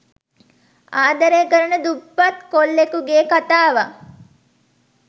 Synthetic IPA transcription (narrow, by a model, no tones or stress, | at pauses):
aːd̪ɐɾekəɾənəd̪ubːɐt̪kolːekuɡeːkat̪aːʋa